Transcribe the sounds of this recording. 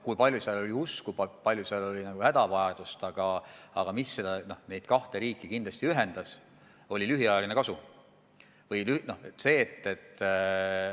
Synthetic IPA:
kujpɑlʲjusiɑlo̞liuskupɑpɑlʲjuseɑlo̞lʲinɑɡ̥uhæd̪̥ɑvɑjɑd̪̥ust̪ɑɡ̥ɑɑɡ̥ɑmisːe̞d̪ɑno̞hne̞jd̪̥kɑht̪e̞ɾiːkːˑikind̪lɑst̪iyɦe̞nd̪ɑs | o̞lʲilyɦiɑjɑlinekɑsu | vɤjlyno̞het̪se̞ːt̪ːe̞t̪ː

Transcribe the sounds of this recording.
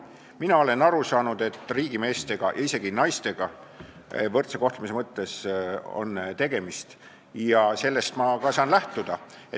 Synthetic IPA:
minɑo̞le̞nɑɾusɑːnud̪̥e̞t̪ːˑriːɡ̥ime̞ːst̪e̞ɡ̥ɑ̰jʔɑise̞ɡ̥inɑjst̪e̞ɡ̥ɑ | vɤrt̪se̞ko̞ht̪lemise̞mɤt̪ːe̞so̞̰nt̪e̞ɡ̥e̞mist̪ | jɑse̞lːe̞st̪mɑkɑsɑːnlæht̪ud̪̥ɑe

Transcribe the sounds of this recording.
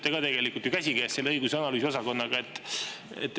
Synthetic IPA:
t̪ːˑeɡɑt̪e̞ɡ̥e̞likˑult̪jukæsʲiɡeːst̪selːeɤjɡ̥useɑnɑlyːsio̞sɑko̞nːɑɡ̥ɑe̞t̪ːˑ | ḛt̪ːˑ

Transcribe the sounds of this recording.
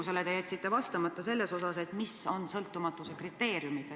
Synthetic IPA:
uselet̪e̞jet̪ʲsit̪ːe̞vɑst̪ɑmɑt̪ːˑɑse̞lːe̞so̞sɑse̞t̪miso̞nsɤlt̪ˑːumɑt̪ːˑusekrit̪ːe̞ːɾjumit̪

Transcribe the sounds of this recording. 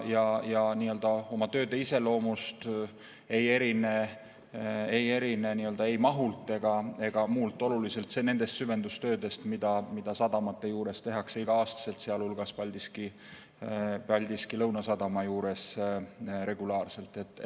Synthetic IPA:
jɑjɑniːø̞ld̪̥ɑo̞mɑt̪ø̞ːd̪e̞ise̞lo̞ːmust̪ | e̞je̞ɾine̞ | eje̞ɾine̞niːøld̪̥ɑejmɑɦult̪ːˑe̞ɡ̥ɑe̞ɡ̥ɑmuːlt̪ːˑo̞lulise̞lt̪se̞ne̞nd̪̥e̞st̪syve̞nd̪ust̪øːd̪e̞st̪mid̪̥ɑmid̪̥ɑsɑd̪̥ɑmɑt̪ːe̞juːɾe̞st̪e̞ɦɑkseiɡ̥ɑɑːst̪ɑ̥se̞lt̪seɑlhulɡ̥ɑspɑlʲd̪iski | pɑlʲd̪̥iskilɤwnɑsɑd̪̥ɑmɑjuːɾe̞s | ɾe̞ɡ̥ulɑːrse̞lt̪ːˑe̞t̪ːˑ

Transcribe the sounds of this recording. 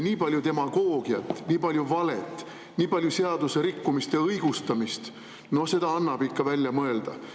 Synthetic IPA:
niːpɑlʲjut̪e̞mɑɡ̥o̞ːɡ̥iɑt̪ːˑniːpɑlʲjuvɑlet̪ːˑ | niːpɑlʲjuse̞ɑd̪useɾikːumist̪ɑɤjɡ̥ust̪ɑmist̪ | no̞hse̞d̪ɑɑnːɑb̥ikːɑvælʲjɑmɤe̞ld̪̥ɑ̰

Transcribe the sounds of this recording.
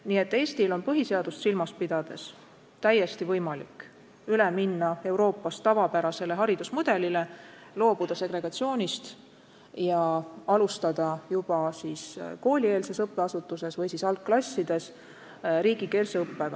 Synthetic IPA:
niːet̪ːe̞ːst̪ilo̞npɤɦiseɑd̪̥ust̪silmɑspid̪̥ɑd̪̥e̞s | t̪æjːe̞st̪ivɤjmɑlḭk | yleminːɑe̞wɾo̞ːpːˑɑst̪ːɑvɑpæɾɑse̞le̞ɦɑɾid̪̥usmud̪̥e̞lile̞ | lo̞ːb̥ud̪̥ɑse̞ɡre̞ɡ̥ɑt̪sio̞ːnʲist̪ | jɑɑlust̪ɑd̪̥ɑjub̥ɑsiːsko̞ːlʲie̞ːlse̞sɤpːeɑsut̪ːuse̞svɤjsisɑlkːlɑsʲːid̪̥e̞s | ɾiːɡ̥ike̞ːlsɤpːeɡɑ

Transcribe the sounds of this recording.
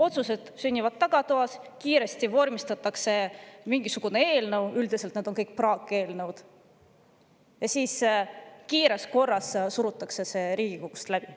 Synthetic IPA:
o̞t̪suse̞d̪̥synʲːivɑd̪̥̚t̪ːɑɡ̥ɑt̪oɑskiːɾe̞st̪ivo̞rmist̪ɑt̪ːɑkse̞miŋɡ̥isuɡ̥unee̞ːlnɤwyld̪ise̞lt̪ned̪̥o̞ŋkɤjk̚ˑprɑːkːˑe̞ːlnɤwd̪̥ | jɑsiːskiːɾe̞sko̞rːɑssuɾut̪ˑːɑkse̞se̞ɾiːɡ̥ikoɡ̥ust̪læb̥i

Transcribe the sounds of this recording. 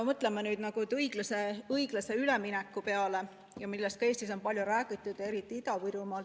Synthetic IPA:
mɤt̪ˑlemenyːd̪̥nɑɡ̥ut̪ɯjɡ̥lɑseɤjɡ̥lɑse̞yleminɛkˑːupe̞ɑle̞ | jɑmilːe̞st̪kɑe̞ːst̪is̬o̞npɑlʲjuɾæːɡit̪ːˑud̪e̞ɾit̪ːˑiid̪ɑvɯɾumɑl

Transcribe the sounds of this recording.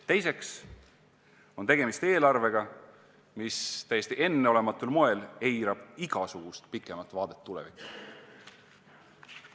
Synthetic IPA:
t̪e̞jse̞ks | o̞nt̪e̞ɡ̥e̞mist̪e̞ːlɑrve̞ɡ̥ɑ | mist̪æjːesʲt̪iʔe̞nːe̞o̞le̞mɑt̪ːˑulmo̞e̞le̞jɾɑb̥iɡ̥ɑsuɡ̥ust̪pikːˑe̞mɑt̪ːˑvɑːd̪̥e̞t̪ːulɛ̰vikːu̥

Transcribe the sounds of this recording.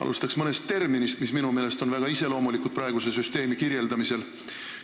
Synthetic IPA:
ɑ̰lṵst̪ɑksmɤne̞st̪ːe̞rminist̪misminume̞ːle̞st̪o̞nvæɡ̥ɑise̞lo̞ːmulikud̪̚prɑeɡ̥use̞syst̪e̞ːmikirje̞ld̪ɑmise̞l

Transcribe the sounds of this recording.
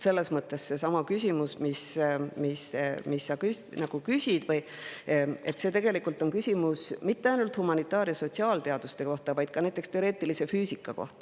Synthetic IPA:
se̞lːe̞smɤt̪ːˑe̞sse̞sɑmɑkysʲimusmismismisːɑkys | nɑɡ̥ukysʲid̪̥vɤj | e̞t̪se̞t̪e̞ɡ̥e̞likːˑult̪ːˑo̞nkysʲimusmit̪ːe̞ɑjnult̪humɑnit̪ːˑɑːɾjɑso̞t̪ʲsiɑːlt̪eɑd̪̥ust̪e̞ko̞ht̪ɑvɑjd̪̥kɑnæjt̪ːˑekst̪e̞o̞ɾe̞ːt̪ˑilise̞fyːsikːˑɑko̞̰ht̪ɑ̥

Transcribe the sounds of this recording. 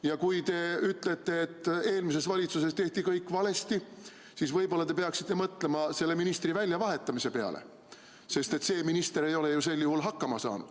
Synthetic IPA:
jɑkujt̪e̞yt̪ːˑle̞t̪ːˑe̞ːt̪ːˑe̞ːlmis̬e̞svɑlʲit̪suse̞st̪e̞ht̪ikɤjkːˑvɑle̞st̪i | sisvɤjbo̞lːɑt̪e̞peɑksit̪ːe̞mɤt̪le̞mɑse̞lːe̞minist̪rivælʲjɑvɑɦe̞t̪ːˑɑmise̞pe̞ɑ̰le̞̰ | se̞st̪e̞t̪se̞ːminist̪e̞ɾe̞jo̞le̞juse̞lːjuɦulɦɑkːɑmɑsɑ̰ːnṵd̪̥

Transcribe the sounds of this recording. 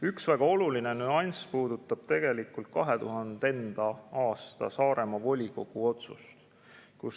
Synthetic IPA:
yksvæɡ̥ɑo̞luline̞nyɑnʲspuːd̪ut̪ːˑɑb̥̚t̪e̞ɡ̥e̞likːult̪̚kɑɦe̞t̪uɦɑnd̪e̞nd̪̥ɑɑːst̪ɑ̰sɑːɾe̞mɑvo̞lʲiko̞ɡ̥uo̞t̪sṵst̪ | kus

